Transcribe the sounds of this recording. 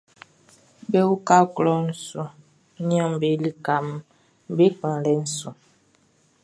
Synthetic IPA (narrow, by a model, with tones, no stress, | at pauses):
be˦wu˦ka˦klɔ˨n̩˨su˨ | ɲ˦ã˦˨m˨be˨˦li˦ka˨m | be˦k͡pã˨lɛ˨˦n̩˨su˨